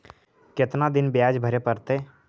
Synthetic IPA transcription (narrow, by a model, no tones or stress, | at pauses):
kɪt̪nad̪ɪnbjaːd͡ʒbʱəɾepəɾt̪e